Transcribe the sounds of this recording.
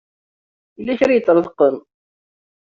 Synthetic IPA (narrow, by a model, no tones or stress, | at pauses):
ilːæçɾjət͡sːɾˤəðˤqːən